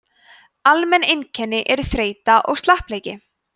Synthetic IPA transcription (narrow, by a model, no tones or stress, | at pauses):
almɛnːejncʰɛnːɪʔɛɾʏθɾeːjt̪aʔɔɣst̪lahpleːjcɪ